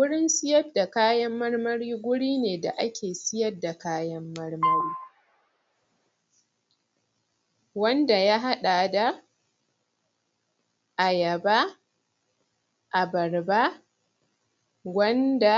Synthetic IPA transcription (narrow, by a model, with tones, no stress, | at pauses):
wʊ˦ɽɪ˦nsɪ˦jɐ˦da˨kaː˦jɐ˦mːɐ˦rmɐ˦ɽiː˦ɡʷʊ˦ɽiː˦neː˨da̰˨ʔa˦kʲʰeː˨sɪ˦jɐ˦dːa˨kaː˦jɐ˦mːɐ˦rmɐ˦ɾiː˦ | wɐ˦nda˨ja˦ɦa˦ɗa˨da˨ | ʔa˨jɐ˨baː˦ | ʔa˨bɐ˨rba˦ | wɐ˦nda˨